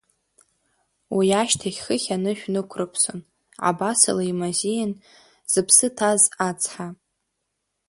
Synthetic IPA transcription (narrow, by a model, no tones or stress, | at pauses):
wijaʃtʰaχʲχəχʲanɨʃᶣnɨkʷʰrɨpʰso̰n | ʕa̰basa̰laimazijan | z̥ɨpʰsɨtʰazat͡sʰʼħa